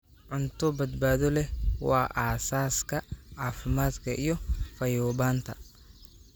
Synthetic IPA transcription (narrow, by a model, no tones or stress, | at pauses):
ʕʊnt̪ʰɔbɐd̪baːðɔlɛwɑ̰ːʔaːsaːskʰɐʕaːfɪmaːd̪kʰɐʔijɔfɐjɔːβaːnt̪ʰɐ